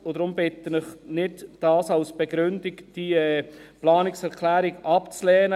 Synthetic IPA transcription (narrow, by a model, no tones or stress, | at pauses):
ʊd̥̪ɾʊmbɪt̪ːənɪχnɪdd̥ɑːsalsb̥ɛɡɾʏndɪkd̥iɛplɑːnɪksɛɾkʰlæːɾɪɡɑpt͡slɛːnə